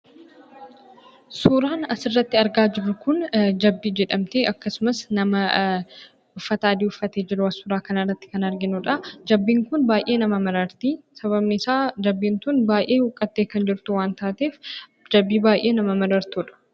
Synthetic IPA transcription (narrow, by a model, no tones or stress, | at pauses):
suːɾaːnɐsɪrːɐt̪ːɪɐɾɡaːd͡ʒɪɾːʊkʊnd͡ʒɐbːiːd͡ʒɛᶑɐmt̪eːʔɐkːɐsʊmɐsnɐmɐ | ʊfːɐt̪aːd̪iːʊfːɐt̪eːd͡ʒɪɾʊɐsuːɾaːkɐnɐrːɐt̪ːɪ̥kɐnɐɾɡɪnʊᶑɐd͡ʒɐbːiːŋkʊnbaːjʔe̞ːnɐmɐmɐɾɐɾt̪iːsɐβɐbnɪsaːd͡ʒɐbːiːnt̪ʊnbaːjʔe̞ːhʊkʼːɐt̪ːeːkɐnd͡ʒɪɾt̪ʊwaːnt̪aːt̪eːf | d͡ʒɐbːiːbaːjʔe̞ːnɐmɐmɐɾɐɾt̪uːᶑɐ̥